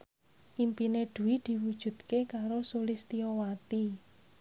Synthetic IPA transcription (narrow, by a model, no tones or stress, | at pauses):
ʔimpineɖ̪̥ṳwid̪̥i̤wud̥ʒ̥ṳt̪̚kekaɾosolist̪iɔwat̪i